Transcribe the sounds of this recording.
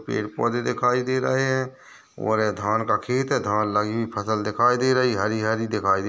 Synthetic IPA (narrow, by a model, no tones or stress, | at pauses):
pḛːʈpɔːd̪ed̪ɪkʰaːid̪eːɾə̰ɦeɦɛ̃ | ɔ̰ːɾd̪ʱaːnkakʰeːt̪ɦɛd̪ʱaːnləɡibʱipʰəsəld̪ɪkʰaːid̪eːɾəɦiɦəɾiɦəɾid̪ɪkʰaːid̪e